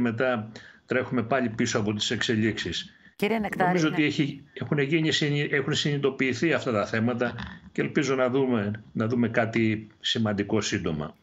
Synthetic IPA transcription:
me̞t̪ɐt̪ɾe̞xume̞pɐʎipiso̞ɐpo̞t̪i̥se̞kse̞ʎiksisiɾnomizoot̪ieiexuneʝiɲisiʔexunsinit̪o̞piːθiɐft̪ɐt̪ɐθe̞mɐt̪̬ɐcelpizo̞nɐðumenɐðume̞kɐt̪isimɐnd̪iko̞sind̪o̞mɐ̰

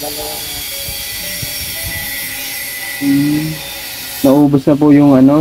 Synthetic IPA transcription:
nɐʔuːbosnɐpʊjʊŋɐno̞

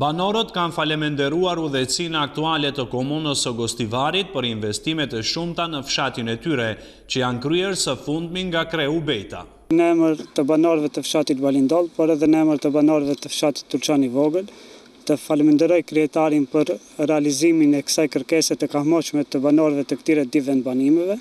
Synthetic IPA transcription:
banɔɾət̪kanfalɛmɛnd̪ɛɾuaɾuðɛsinɛak̚t̪ualɛt̪əkɔmunəsəɡɔst̪ivaɾit̪̚pəɾinvɛst̪imɛt̪ɛʃumt̪anəfʃat̪inɛt̪yɾɛ | t͡ɕəjankɾyɛɾsəfund̪miŋɡakɾɛubɛjt̪a̰ | nəɛməɾt̪əbanɔɾvɛt̪əfʃat̪it̪̚balind̪ɔlˠpɔɾɛðɛnəɛməɾt̪əbanɔɾvɛt̪əfʃat̪i̥t̪ːuɾt͡ʃanivɔɡəl | t̪əfalmənd̪əɾɔjkɾiɛt̪aɾinpəɾ | rɛaliziminɛkə̥sajkəɾkɛsɛt̪əkaɦmɔʃmɛt̪əbanɔɾvɛt̪əkt̪iɾɛd̪ivɛnbanimɛvɛ

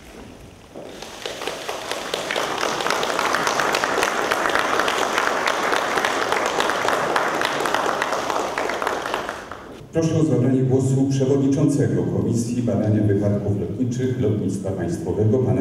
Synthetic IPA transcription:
pɾɔʂɛɔzabɾaɲɛɡwɔsupʂɛvɔd̪ɲit͡ʂɔnt̪sɛɡɔkʰɔmʲisʲjibad̪aɲavɘpat̪kuflɔt̪ɲit͡ʂɘxlɔt̪ɲit̪st̪fapaj̃st̪fɔvɛɡɔpan

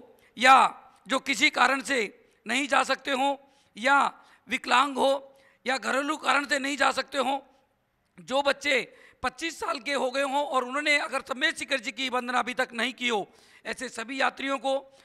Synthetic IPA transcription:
ja | d͡ʒoːkɪsikaːɾəɽ̃se | nɐɦĩd͡ʒaːsɐk̚t̪eɦõ | ja | ʋɪklãːŋɡɦo | jaɡʱɐɾolukaːɾəɽ̃senɐɦĩd͡ʒaːsɐk̚t̪eɦõː | d͡ʒoːbɐtːʃe | pɐtːʃiːsːaːlk̬eɦoɡɐeɦõɔːɾʊn̤ɦõːneɐɡəɾsɐmeːt͡ʃɪkəɾd͡ʒikibə̃nd̪ənaɐbʱit̪ɐknɐɦĩkioː | ɛːsesɐbʱijaːt̪ɾijõko

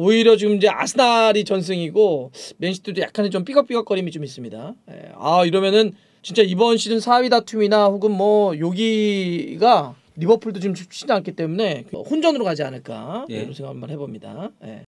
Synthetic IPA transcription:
oiɾjʌt͡ɕiɡɯmind͡ʑe̞ʔa̰sʰɯnaɾit͡ɕʌns̬ʰɯŋiɡome̞nɕʰi̥tʰɯdoja̰kʰanet͡ɕomp͈iɡʌp͈iɡʌk͈ʌɾimit͡ɕomis̬͈ɯmɲida̰je̞̰a̰iɾʌmjʌnɯn | t͡ɕint͡ɕ͈aibʌnɕʰinɯnsʰawidatʰuminaɸoɡɯnmʌjoɡiɡa | ɾibʌpʰɯɭdot͡ɕiɯmt͡ɕʰɕʰidank͈ʰit͈e̞mune̞khund͡ʑʌnɯɾokad͡ʑianɯɭk͈a̰ḛɾʌnsʰeŋɡamanhe̞bomɲida̰je̞̰

